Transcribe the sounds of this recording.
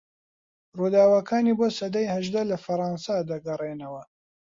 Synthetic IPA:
ruːd̪aːwɐkʰaːnibosɐd̪ajhɐʒd̪alɐfɐɾˤɑːnsad̪ɐɡɐrˤenɐwɐ

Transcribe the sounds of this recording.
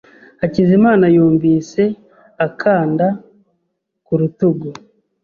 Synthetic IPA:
acizimaːnajoːɱviːse̞ | akʰaːnda | kuɾutuɡo

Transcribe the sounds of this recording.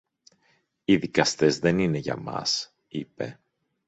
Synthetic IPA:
iðikɐst̪e̞zðe̞nine̞ʝɐ̰mɐ̰s | ipe̞̰

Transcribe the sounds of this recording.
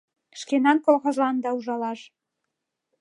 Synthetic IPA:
ʃkenɑnkolˠɣŏʒlɑnd̪ɑuʒɑlɑʃ

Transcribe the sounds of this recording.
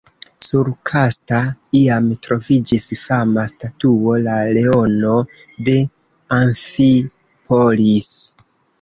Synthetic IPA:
suɾkʰastaiamtɾo̞vid͡ʒisfamastatuo̞lale̞o̞no̞ | de̞ | aɱfi | pʰolis

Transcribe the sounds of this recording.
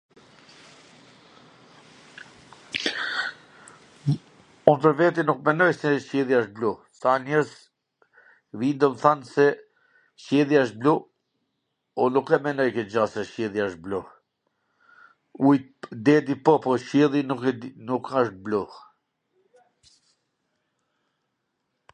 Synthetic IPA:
unt̪əɾvɛt̪inuk̚mɛnɔjsɛʃɛðjaʃt̪̚blu | sanɛɾz | vind̪ɔmθansɛ | ʃjɛðiaʃ̬̚blu | unukɛmɛnɔjkɛd͡ʒasɛʃcɛðiaʃbluh | ujd̪ɛd̪ipɔpɔʃɛðinukaʃt̪̚bluh

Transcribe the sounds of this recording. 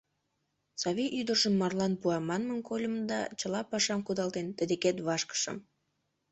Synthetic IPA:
sɑβiʔyd̪ərʃəmːɑrlɑnpuɑmɑnmənkolʲəmd̪ɑ̰t͡ɕəlɑpɑʃɑmkud̪ɑlˠt̪ent̪əd̪eket̪βɑʃkə̥ʃə̰m

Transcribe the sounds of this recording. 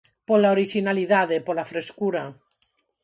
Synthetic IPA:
polaoɾiʃinaliðaðepolafɾeskuɾa

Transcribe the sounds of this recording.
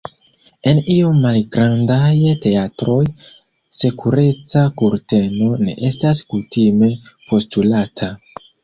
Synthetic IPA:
e̞niomːalɡɾandajte̞atɾo̞j | se̞kʰuɾe̞t͡sakuɾte̞no̞ne̞̰ʔe̞staskutime̞po̞stulatʰa

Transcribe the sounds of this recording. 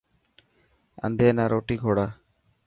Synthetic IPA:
a̰nd̪enaɾoʈiɡʱoɽa

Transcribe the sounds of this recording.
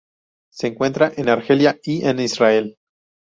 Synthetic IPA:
se̞ːŋkwe̞nt̪ɾaʔe̞naɾxe̞ljaienisrae̞l

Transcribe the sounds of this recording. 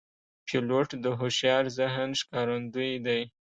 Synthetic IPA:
pʰiloʈd̪əɦoʃjɑɾzɪɦnʃkɑɾand̪ujd̪aj

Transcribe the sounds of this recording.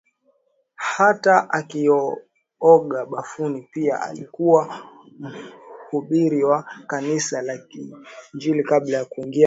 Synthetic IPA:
hataʔakijɔ | ɔɠaɓafunipia̰ʔa̰likuwa | m̩huɓiɾiwakanisalakind͡ʒilikaɓlajakuiŋɡia

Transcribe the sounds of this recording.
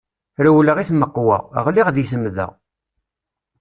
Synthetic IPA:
ɾəwləʁiθməqːwa̰ʁə̰ʁliʁðiθəmðə̰ʁ

